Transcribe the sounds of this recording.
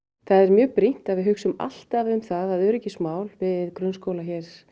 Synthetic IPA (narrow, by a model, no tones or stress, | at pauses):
θaðɛɾmjœːpɾin̥t̪aðvɪðɦʏksʏma̰l̥t̪avʏmθaðaðœɾɛcɪsmaːwlvɪðkɾʏnskowlaçɛɾ̥